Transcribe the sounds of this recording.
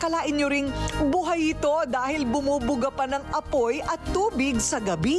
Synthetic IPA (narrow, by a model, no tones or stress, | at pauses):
kɐlaːʔɪnɲoɾɪŋbuɦajɪt̪o̞d̪aːhɪlbʊmubʊɡɐpɐnɐŋʔɐpo̞jʔɐt̪ːuːbɪɡsɐɡɐbi